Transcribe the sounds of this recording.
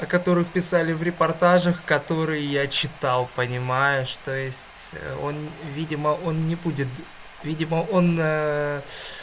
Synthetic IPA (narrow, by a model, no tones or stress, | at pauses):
ɐkɐt̪o̞ɾɨxpʲɪsalʲɪvɾʲɪpɐrt̪aʐəxkɐt̪o̞ɾɨjɪjat͡ɕɪt̪alˠpənʲɪmajʊʂt̪ojɪsʲtʲo̞̰nvʲidʲɪməʔo̞nnʲɪbudʲɪt̪ | vʲidʲɪməʔo̞nə